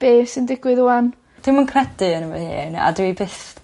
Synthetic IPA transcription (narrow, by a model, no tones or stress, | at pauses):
b̥eːsɪndɪɡwɪðʊan | d̥ɪmənkʰrɛdɨənəvɔ̰ðhḭːna̰dɪibɪst